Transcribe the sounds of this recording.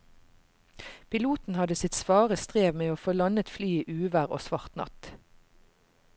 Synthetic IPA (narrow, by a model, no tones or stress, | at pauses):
pʰɪluːt̪n̩hɑd̪əsɪt̪sʋɑːʁəst̪ʁeːʋmeːoːfoːlɑnət̪flyːiːʔʉːʋæʁo̰ːsʋɑʁt̪nɑ̰t̪